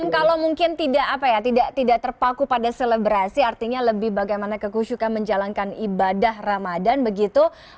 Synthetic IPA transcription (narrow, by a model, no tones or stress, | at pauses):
mkalawmuŋkɪnt̪idaʔapajat̪idaʔt̪idaʔt̪ərpakupadaseləbɾasiart̪iɲaləbɪhbaɡajmanakəkuʃukanməɲd͡ʒalankanibadahramadanbəɡit̪u